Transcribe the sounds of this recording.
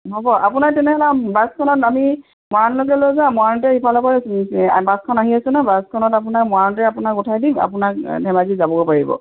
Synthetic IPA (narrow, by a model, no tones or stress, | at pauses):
ɦobɔʔapunaɹtɛnɛɦɔlabaskʰɔnɔtami | mɔanlok̬ɛlojzãmɔantɛxipʰalɔpaɹbaskʰɔnaɦiasʊ̃nabaskʰɔnɔtap̬unaɹmɔaɔnt̬ɛapunakutʰajdima̰punak̚dʱɛmazizabɔbopaɹibɔ̰